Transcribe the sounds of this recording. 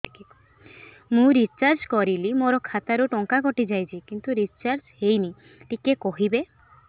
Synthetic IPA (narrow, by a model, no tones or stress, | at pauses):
mũɾit͡ʃaɾd͡ʒkɔɾilimoɾɔkʰat̪aɾuʈɔŋkakɔʈid͡ʒajt͡ʃʰikint̪uɾit͡ʃaɾd͡ʒhejni | ʈikekɔɦibe